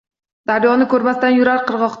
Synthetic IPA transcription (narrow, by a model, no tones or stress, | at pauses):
d̪̥aɾjɒnɪkʰɵɾmasɪt̪anjʊɾaɾqʰɨɾʁɒq̪